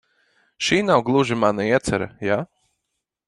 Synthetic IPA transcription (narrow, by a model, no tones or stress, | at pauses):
ʃiːnawɡlˠuʒimanaiɛt̪sɛɾɐ̰ja